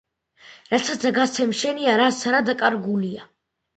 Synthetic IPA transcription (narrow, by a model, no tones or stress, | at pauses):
ɾat̪sʰazaɡast̪sʰɛmʃɛniaɾasɾad̪akʼaɾɡulia